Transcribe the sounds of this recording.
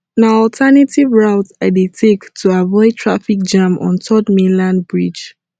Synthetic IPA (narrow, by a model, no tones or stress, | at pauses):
naɔltʰɛnatʰivɹaʊtaɪdetʰektʰuavɔɪtʰɹafik̚d͡ʒãmʔɔ̰̃ntʰɔdmĩnlãnbɹid͡ʒ